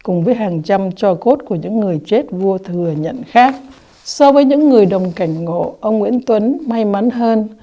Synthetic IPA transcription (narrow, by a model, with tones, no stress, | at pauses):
kʊ˨˩ŋ͡mvəː˨˦jɦaː˨˩ŋt͡ɕa˧mt͡ɕɔ˧ko˦˥t̚ku˧˩əɲɨ̰˧˥ŋːɨ˨˩əjt͡ɕe˦˥t̚vu˧ət̪ʰɨ˨˩əɲə̰˧˨nxaː˦˥k̚ | sɔ˧vəː˨˦jɲɨ̰˧˥ŋːɨ˨˩əjɗə˨˩wŋ͡mka˧˩jŋ̟ŋo̰˧˨ʔə˧wŋ͡mŋwḭ˧˥ənt̪wə˨˦nma˧jma˨˦nɦəː˧n